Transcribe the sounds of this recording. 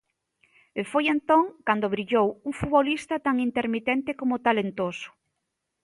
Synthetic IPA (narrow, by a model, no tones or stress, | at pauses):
efojent̪õŋkand̪oβɾiʎowuŋfuβolist̪at̪aŋint̪eɾmit̪ɛnt̪ekomʊt̪alent̪osʊ̥